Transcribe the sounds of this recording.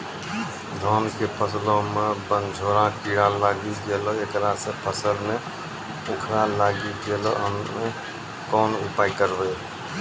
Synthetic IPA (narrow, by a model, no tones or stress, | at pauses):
d̪ʱɔːnkepʰəslõmebənd͡ʒʱoɾãkiɽalaɡiɡeloekɾasə̃pʰəsəlme | okʰɾalaɡiɡelɔɦəmme | kɔːnupaːjkəɾbɛ